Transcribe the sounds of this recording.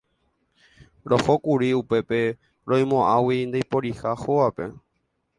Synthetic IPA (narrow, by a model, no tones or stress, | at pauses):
ɾo̞hokuɾiupe̞pe̞ | ɾõj̃mõʔãwind̪ejpoɾihahoape̞̰